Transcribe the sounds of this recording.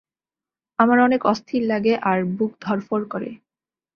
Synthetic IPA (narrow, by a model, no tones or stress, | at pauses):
amaɾɔnekɔst̪ʰillaɡeʔaɾbukd̪ʱɔɾfoɾkɔɾḛ